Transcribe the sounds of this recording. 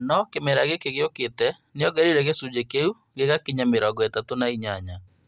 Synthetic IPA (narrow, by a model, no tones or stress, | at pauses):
nɔkemɛɾaɣekeɣjoketɛ | nɪjɔɡɛɾiɾɛɣesud͡ʒekeu | ɡeɣakiɲameɾɔɡwɛtatonaiɲaɲa